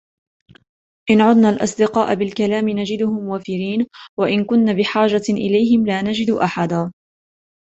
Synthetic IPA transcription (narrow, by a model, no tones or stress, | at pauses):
ʔɪnʕʊd̪naːlʔɑ̰sˤd̪ɪqɑːʔabɪlkalaːmɪnad͡ʒɪd̪ʊhʊmwafɪɾiːnwaʔɪnkʊnːaːbɪħaːʒaʔɪ̰lajɦɪmlaːnad͡ʒɪd̪ʔaħad̪aː